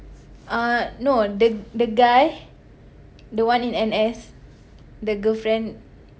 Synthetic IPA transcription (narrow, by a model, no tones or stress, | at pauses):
ãnodədəɡaj | dəwãnĩnɛ̃nɛs | dəɡəlfɹɛ̃n